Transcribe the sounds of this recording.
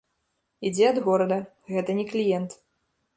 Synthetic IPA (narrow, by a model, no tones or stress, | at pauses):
id͡zʲɛɐd̪ɣɔɾɐd̪ɐ | ɣɛt̪ɐnʲɛklʲijɛnt̪